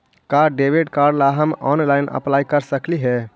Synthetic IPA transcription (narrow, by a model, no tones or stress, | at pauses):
kaɖɖebiɖkaɾɖlaɦəmɔ̰nlajnə̰plajkəɾsəkliɦɛ